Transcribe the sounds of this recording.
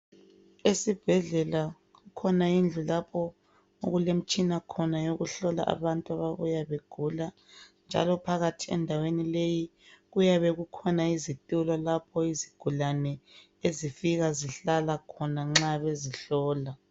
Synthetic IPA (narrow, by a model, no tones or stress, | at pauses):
esib̥ʱɛɮɛla | ɣukʰɔnaind͡ɮʱulapʰɔ | o̰ɣulem̩t͡ʃʼinakʰɔnajoɣuɬɔla̰ʔa̰βantʼuaβaβujaβeɡ̥ʱula | nd͡ʒʱa̰lɔpʰaɣatʰiɛ̰ndʱawenileji | ɣujaβɛɣukʰɔnaizitʼulɔlapʰɔiziɡ̥ʱulanɛ | ezifiɣaziɬalakʰɔnaŋ͡ǁaβeziɬɔːla